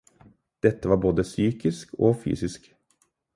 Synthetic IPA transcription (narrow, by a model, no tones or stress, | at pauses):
d̪̥ɛt̪ːəʋɑːɾboːd̪əsyːkɪskoːfy̰ːsɪsk